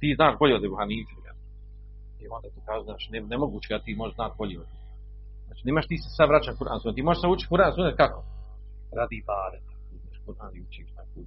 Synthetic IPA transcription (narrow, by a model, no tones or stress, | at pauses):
t̪iːznaːʃboʎʲeod̪ebuhaːniːt̪ea̰ | iond̪at̪okaːʒuznaːt͡ʃnenemoɡuːt͡ɕeat̪iːmoʒeʃznaːt̪̚bo̞ʎeod̪e | aːt͡ʃiːneːmaʃt̪iːsesaʋɾat͡ɕakuɾʔa̰nsuːnet̪iːmoʒeʃsauːt͡ʃi̥kuɾaːnsunet̪̚kako | ɾaːd̪iːbaːd̪et̪iːznaʃkuɾʔaːnijut͡ʃiːt̪akuː